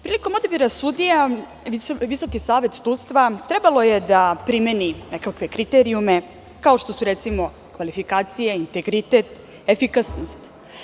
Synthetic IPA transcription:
pɾiːlikomod̪abiɾasud̪ija | iʋiso̞kisaːʋe̞t̪sut̪st̪ʋat̪ɾebalo̞jed̪apɾimeninekakʋe̞kɾit̪eɾiume̞ | kaoʃt̪o̞suɾet̪simo̞ | kʋalifikaːt̪sijeint̪e̞ɡɾit̪e̞t̪ | efikasnost̪

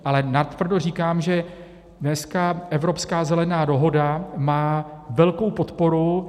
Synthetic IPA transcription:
ʔalɛnat̪vr̩dor̝iːkaːmʒɛ | dnɛskaʔɛvɾo̞pskaːzɛlɛnaːdo̞ɦo̞damaːvɛlko̞wpo̞t̪po̞ɾu

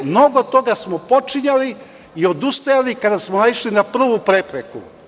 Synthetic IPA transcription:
mno̞ɡot̪o̞ɡasmopo̞t͡ʃiɲali | io̞d̪ust̪ojalikad̪asmonaiʃlinapr̩ʋupɾepɾekṵ

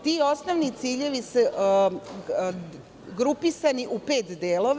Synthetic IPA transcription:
t̪io̞snoʋnit̪siːʎe̞ʋise | ɡɾupisaniʔupeːt̪d̪eːloʋ

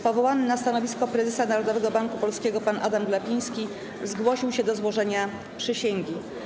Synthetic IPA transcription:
pɔvɔwanɘnast̪anɔvʲiskɔpɾɛzɛsanaɾɔd̪ɔvɛɡɔbaŋkupɔlskʲɛɡɔpanʔa̰d̪amɡlapʲij̃skʲi | zɡwɔɕiwɕɛd̪ɔzwɔʐɛɲa | pʂɘɕeŋɡʲi

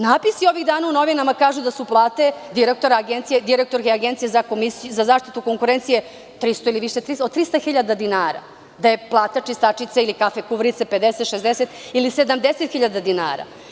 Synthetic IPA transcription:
naːpisio̞ʋiɣd̪aːnauno̞ʋinamakaːʒud̪asuplˠaːt̪e̞d̪iɾek̚t̪oɾaaɡent̪sijed̪iɾek̚t̪o̞ɾkeaɡent̪sijezako̞misuzazaːʃt̪i̥t̪uko̞ŋkuɾent̪sije | t̪ɾist̪oiliʋiʃet̪ɾiod̪̚t̪ɾist̪axiʎad̪ad̪inaːɾa̰ | d̪ajeplˠaːt̪at͡ʂist̪at͡ʃit̪sailikafekuʋɾit̪seped̪eset̪ʃezd̪eset̪ilise̞d̪amd̪eset̪xiʎad̪ad̪ina̰ːɾa̰

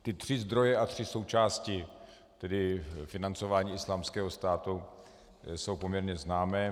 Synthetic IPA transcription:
t̪ɪt̪r̝̥ɪzd̪ɾo̞jɛʔat̪r̥ɪso̞wt͡ʃaːscɪ | t̪ɛdɪfɪnant͡sovaːɲiːɪslaːmskɛːɦo̞st̪aːt̪u | so̞wpomɲɛɾɲɛznaːmɛː

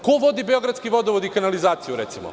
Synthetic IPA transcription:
koʋo̞d̪ibeo̞ɡɾad̪skiʋo̞d̪oʋod̪ikanalizaːt̪sijuɾet̪simo̰

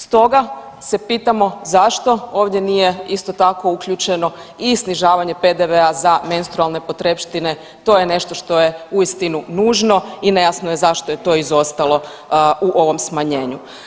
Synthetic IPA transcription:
st̪o̞ɡa | se̞piːt̪amo̞zaʃt̪o̞o̞ːʋd̪ʲjenije̞ist̪o̞t̪ako̞uklʎut͡ʃe̞no̞ | isniʒaːʋaɲe̞ped̪e̞ʋe̞azamenst̪ɾualˠne̞po̞t̪ɾepʃt̪ine̞ | t̪o̞ːjene̞ʃt̪o̞ʃt̪o̞je̞uist̪inunuːʒno̞ine̞jasnojezaʃt̪ojet̪o̞ːizo̞st̪alo̞ | uʔo̞ʋo̞msmaɲe̞ːɲu

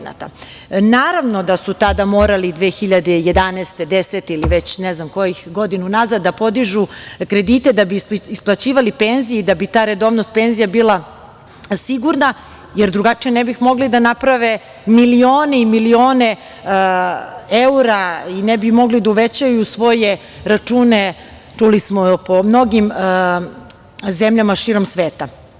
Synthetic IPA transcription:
na̰t̪a̰ | naːɾaʋno̞d̪asut̪ad̪amo̞ːɾalid̪ʋeːxiʎad̪eje̞d̪aneːst̪ed̪eset̪iliʋet͡ɕneznamko̞jixɡo̞d̪inunazad̪ːapo̞d̪iʒukɾe̞d̪it̪e̞d̪abiisplˠat͡ɕiːʋalipeːnzijeid̪abit̪aːɾe̞d̪o̞ːʋnost̪̚pe̞nzijabilˠa | siɡuɾna | jeɾd̪ɾuɡat͡ʃijenɛbixmo̞ɡlid̪anapɾaʋe | milio̞ːneimilio̞ːne | euɾainɛbimo̞ɡlid̪auʋet͡ɕajusʋo̞je̞ | ɾat͡ʂuːne | t͡ʃulismopomno̞ɡim | zemʎamaʃiɾo̞msʋeːt̪a

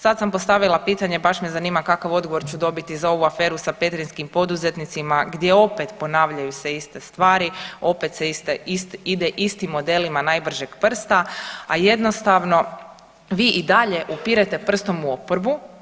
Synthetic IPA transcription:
sad̪sampo̞st̪aʋilˠapiːt̪aɲe̞baʃmezaniːmakakaʋo̞d̪ɡoʋo̞ɾt͡ɕud̪o̞bit̪izao̞ʋuafe̞ːɾusape̞t̪ɾinskimpo̞d̪uze̞t̪nit̪simaɡd̪je̞o̞pe̞t̪po̞naːʋʎajuseist̪e̞st̪ʋaːɾio̞pet̪seist̪eist̪id̪eʔist̪imːo̞d̪e̞limanajbr̩ʒeɡpr̩st̪aaje̞d̪no̞st̪aʋno̞ | ʋiːʔid̪aʎe̞ʔupiɾet̪e̞pr̩st̪o̞muo̞poɾbu

